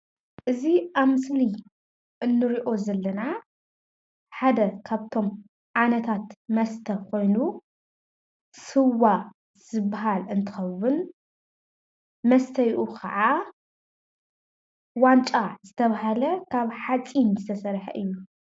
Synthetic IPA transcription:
ʔɨziaβmɨsli | ʔɨnːɨɾiʔo̞zɐlːɐna | ħad̪ɐkʰaβt̪ʰo̞m | ʕanɐt̪ʰat̪mɐst̪ʰɐkʰo̞jnu | sɨwːa | z̥ɨbːaɦalɨnt̪ʰɨ̥xɐwːʊn | mɐst̪ʰɐjʔukʰɐ̰ʕa | want͡ʃʼazɨt̪ʰɐβaɦalɐkʰaβħat͡sʼinzɨt̪ʰɐsɐɾħɐ̰ʔɨjːu

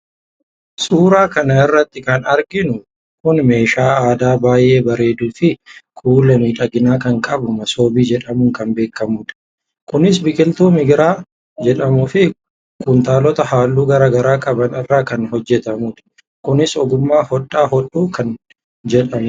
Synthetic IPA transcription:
sʼuːɾaːkɐnɐɪrːɐt̪ːɪkɐnɐɾɡɪnʊ | kʊnme̞ːʃaːaːd̪aːbaːjːe̞ːbɐɾe̞ːd̪uːfɪkʰʼuːlɐmiːᶑɐɡɪnaːkɐŋkʼɐbʊmɐso̞ːbiːd͡ʒɛᶑɐmʊŋkɐnbe̞ːkːɐmʊᶑ̪ɐ̥ | kʊnɪsbɪkʼɪlt̪uːmɪɡɪɾaː | d͡ʒɛᶑɐmʊfɪ | kʼʊnt̪aːlɔt̪ɐhaːlːuːɡɐɾaːɡɐɾaːkʼɐbɐnɪrːaːkɐnɦɔd͡ʒːɛt̪ɐmuːᶑ̪ɐ̥ | kʊnɪsɔɡʊmːaːhɔᶑːaːhɔᶑuːkɐn | d͡ʒɛᶑɐmʊ

